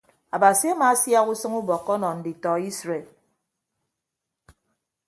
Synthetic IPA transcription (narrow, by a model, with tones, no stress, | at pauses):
a˨ba˨si˦a˦maː˨˦sja˦ɣu˦sɨ˦ŋu˦bɔ˨kːɔ˦nɔ˨n̩˨di˨tɔ˨i˦sɾe˨l